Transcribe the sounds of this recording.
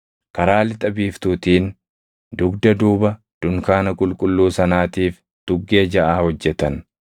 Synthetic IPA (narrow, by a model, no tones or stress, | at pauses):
kɐɾaːlɪt̪ʼɐbiːft̪uːt̪iːn | d̪ʊɡd̪ɐd̪uːbɐ | d̪̥ʊŋkaːnɐkʼʊlkʼʊlːuːsɐnaːt̪iːf | d̪̥ʊɡːe̞ːd͡ʒɐʔaːhɔd͡ʒːɛt̪ɐn